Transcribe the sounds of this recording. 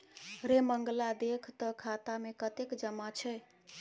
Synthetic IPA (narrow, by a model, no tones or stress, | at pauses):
ɾeməŋɡlad̪ekʰt̪əkʰat̪amekət̪ekd͡ʒəmat͡ʃʰɛ